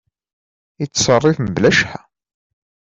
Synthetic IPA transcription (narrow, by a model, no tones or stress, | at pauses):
it͡sːsɑrˤːifmblæʃħæ